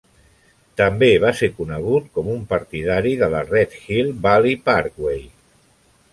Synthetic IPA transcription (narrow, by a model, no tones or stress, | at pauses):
t̪əmbeβ̞aseɾkunəɣ̞ut̪̚kɔmumpəɾt̪iðaɾiðələrɛt̪xilˠbalipaɾkwej